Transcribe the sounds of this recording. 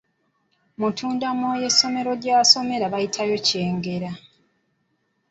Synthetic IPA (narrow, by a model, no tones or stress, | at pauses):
mutʰuːndamoje̞sːo̞me̞ɾo̞ɟaːso̞me̞ɾaβajitʰajo̞ce̞ːŋɡe̞ɾa